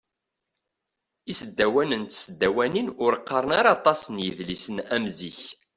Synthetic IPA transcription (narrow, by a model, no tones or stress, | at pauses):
isəd̪ːæwænənt̪səd̪ːæwæninʊɾəqːɑɾˤənaɾɑt̪ˤɑsənjəðlisənæmziç